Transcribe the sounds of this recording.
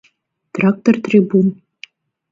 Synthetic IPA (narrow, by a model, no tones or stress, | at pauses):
t̪rɑk̚t̪ort̪ʲrʲibun